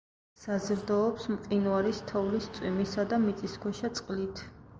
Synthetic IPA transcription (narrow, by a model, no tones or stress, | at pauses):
sazɾd̪ɔːpsmqʼinuaɾist̪ʰɔvlist̪sʼwimisad̪amit̪sʼiskʰwɛʃat̪sʼqʼlit̪ʰ